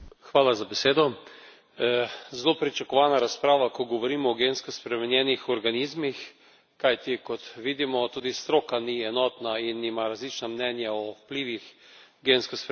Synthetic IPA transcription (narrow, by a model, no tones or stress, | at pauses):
xʋaːlazabeseːd̪ɔ | zlopɾit͡ʃakɔʋaːnaɾaspɾaːʋakɔɡɔʋɔɾiːmɔːɡenskospɾɛmɛnjɛnixɔɾɡaniːzmix | kajt̪ikɔt̪ʋiːd̪imɔt̪uːd̪ist̪ɾoːkaniɛnɔːt̪nainimaɾazlit͡ʃnamnɛnjaɔpliːʋixɡenskosp